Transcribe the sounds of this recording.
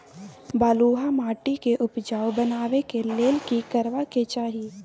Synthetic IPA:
baːluːɦamaːʈikeʔʊpd͡ʒaːwbənaːʋekeleːlkikɐɾʋaket͡ʃaːɦie

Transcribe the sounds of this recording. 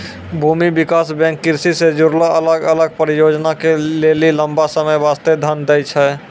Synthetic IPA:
bʱumibikasbɛ̃ŋkːiɾsised͡ʒuɾlaʔələɡələɡ̚pəɾijod͡ʒnakeleliləmbasəməjbast̪ed̪ʱənd̪ɛjt͡ʃʰɛ

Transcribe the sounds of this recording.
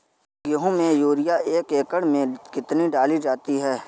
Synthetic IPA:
ɡʊɦõmẽjuːɾɪjaʔeːkeːkəɽmẽkɪt̪niɖaːlid͡ʒaːt̪iɦɛː

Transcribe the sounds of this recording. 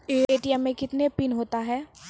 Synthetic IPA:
eeːʈiɛmːẽkɪt̪nepinɦoːt̪aɦɛː

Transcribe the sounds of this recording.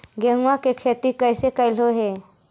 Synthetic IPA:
ɡeŋʋakekʰet̪iːkəjsekajloɦe

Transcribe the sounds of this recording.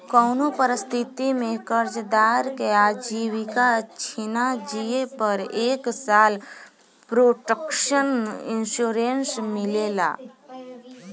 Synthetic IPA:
kɔːnopəɾɪst̪ʰɪt̪imẽkəɾd͡ʒd̪aːɾkeaːd͡ʒiːwikat͡ʃʰinad͡ʒiepəɾeːksaːl | pɾoːʈəkʃənɪ̰̃nʃuːɾensmɪlela̰ː

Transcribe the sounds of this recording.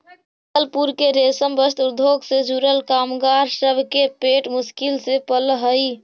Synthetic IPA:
t̪əlpuɾkeɾesəmbəst̪uɾd̪ʱoɡsed͡ʒuɾəlkamɡaɾsəbʱkepeʈmuskilsepəlɦəj

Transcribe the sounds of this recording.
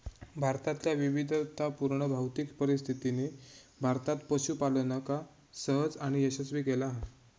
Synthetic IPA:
bʱaɾt̪at̪ljaʋiʋid̪ʱt̪apuɾɳəbʱawt̪ikpəɾist̪ʰit̪ine | bʱaɾt̪at̪pəɕuːpalənəka | səɦəd͡zaɽ̃ijəɕət͡sʋiːkelaɦa

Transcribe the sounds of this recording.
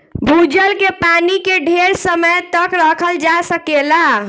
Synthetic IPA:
bʱud͡ʒəlkepanikeɖʱeɾsəməjt̪əkɾəkʰəld͡ʒasəkela

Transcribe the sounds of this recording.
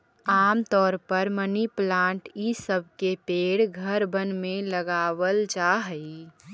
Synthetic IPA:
aːmt̪ɔːɾpəɾməniplãːɳʈisəb̚ʱkepeːɽɡʱəɾbənmẽləɡaːwəld͡ʒaːɦəi

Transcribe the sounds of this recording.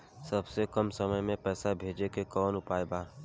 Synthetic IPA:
sɐbsekɐmsəməjmẽpɛːsabʱeːd͡ʒekekɔːnʊpaːebaː

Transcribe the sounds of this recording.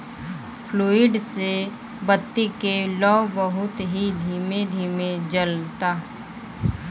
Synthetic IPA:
pʰluːɪɖse | bət̪ːikelɔːbəɦʊt̪ɦid̪ʱiːmed̪ʱiːmẽd͡ʒəlt̪aː

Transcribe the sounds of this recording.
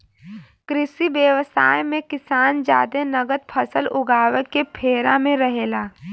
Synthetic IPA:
kɾɪsibjəʋəsaːjmẽkɪsaːnd͡ʒa̰ːd̪enɐɡət̪̚pʰəsəlʊɡaːʋəkːepʰeːɾamẽɾɐɦeːlaː

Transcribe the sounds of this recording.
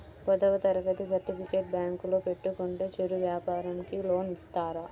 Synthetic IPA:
pɐd̪ɐʋɐt̪ɐɾɐɡɐt̪isɐɾʈipʰikeːʈ̚bjaːŋkulo̞ːpe̞ʈːukoɳʈeːt͡ʃeɾuʋjaːpaːɾɐmkilo̞ːnist̪aːɾɐ

